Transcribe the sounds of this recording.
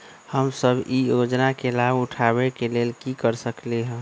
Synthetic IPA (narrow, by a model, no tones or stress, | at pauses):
həmsəbijod͡ʒnakelabʊʈʰabekeleːlkikəɾsəkleɦɛ̃